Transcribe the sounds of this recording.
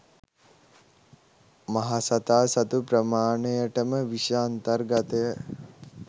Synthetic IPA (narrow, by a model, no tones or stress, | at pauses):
maɦasat̪aːsat̪upɾəmaːɳejəʈəməʋiʃaːnt̪ərɡat̪əjə